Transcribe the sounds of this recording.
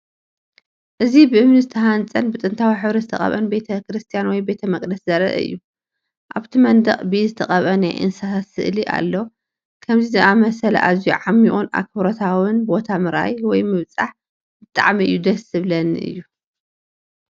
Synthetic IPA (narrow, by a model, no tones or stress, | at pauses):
ʔɨzibɨʔɨmnizɨt̪ʰɐɦant͡sʼɐnbɨt̪ʼɨnt̪ʰawiħɨβɾɐzɨt̪ʰɐχʼɐ̰βɐ̰nbe̞t̪ʰɐkɨɾɨst̪ʰijanwɔjbe̞t̪ʰɐmɐkʼd̪ɐszɐɾɐ̰ʔɐ̰ʔɨ̰jːu | ʔaβt̪ʰimɐnd̪ɐχʼbizɨt̪ʰɐχʼɐβɐnajʔɨ̰nsatat̪sɨʔliʔa̰lːo | kʰɐmzizɨʔamɐsɐlɐ̰ʔazijuʕamːiʔuna̰kʰɨβɾot̪ʰawɨnbo̞t̪ʰamɨɾa̰jwɔjmɨβt͡sʼaħ | bɨt̪ʼa̰ʕmiʔɨ̰jːud̪ɐsɨβlɐnʔɨ̰jːu